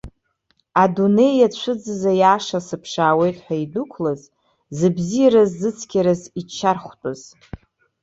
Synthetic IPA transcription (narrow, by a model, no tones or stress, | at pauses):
adune̞jat͡ʃʷʰɨd͡zɨzajaːʂasɨpʰʂaːwe̞jtʼħʷᶣaidukʷʰlaz | zɨbzijaɾazːɨt͡sʰkʲʰʼaɾazit͡ʃʰːarχʷtʷʼaz̥